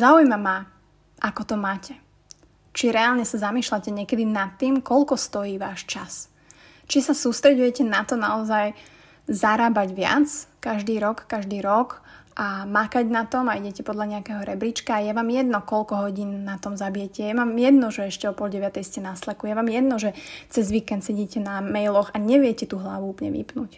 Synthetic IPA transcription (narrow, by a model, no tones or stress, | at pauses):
zaːujmama | ʔakɔt̪ɔmaːcɛ | t͡ʃiɾɛaːlɲɛsazamiːʃlacɛɲɪɛkɛd̪inat̪ːiːmkɔʎkɔst̪ɔjiːʋaːʃt͡ʃas | t͡ʃisasuːst̪ɾɛɟujɛcɛnat̪ɔnaɔzaj | zaɾaːbaɟʋɪa̰t͡skaʒd̪iːɾɔkːaʒd̪iːɾɔk | ʔamakaɟnat̪ɔmaiɟɛcɛpɔd̪ʎaɲɛakɛːɦɔɾɛbɾit͡ʃkaːjɛʋaːmjɛd̪nɔkɔlkɔɦɔɟiːnnat̪ɔmzabijɛcɛjɛʋaːmjɛd̪nɔʒɛɛʃcɛɔpɔlɟɛʋɪat̪ɛjscɛnaslɛkujɛʋaːmjɛd̪̚nɔʒɛt͡sɛzʋiːkɛnd̪sɛɟiːcɛnamɛjlɔxaɲɛʋɪɛcɛt̪uːɦla̰ʋuuːplɲɛ̰ʋḭpnuc